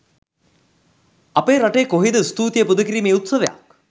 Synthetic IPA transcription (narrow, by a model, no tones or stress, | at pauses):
ɐpeːɾaʈejkoɦid̪əst̪uːt̪jəpud̪əkiɾiːmeut̪səʋeja̰k̚